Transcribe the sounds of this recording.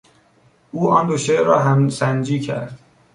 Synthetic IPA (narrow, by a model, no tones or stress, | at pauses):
ʔuːɒːnd̪oʃeɾɒːɦæmsænd͡ʒiːcʰæ̰ɾd̪̥